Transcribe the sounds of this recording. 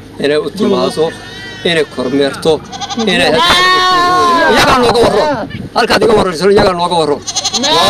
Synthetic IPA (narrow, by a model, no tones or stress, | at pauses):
ɪnɛjʊt̪ʰɪmaːsɔ | ɪnɛjkʰɔɾmɛːrt̪ʰɔɪnɛ | ɪjɐɡanɔːɡɐwɐrɔhɐlkaːd̪ɪɡɐwɐrɔɾs̬ɐnɪjɐɣaːnɔːɡɐwɐrɔ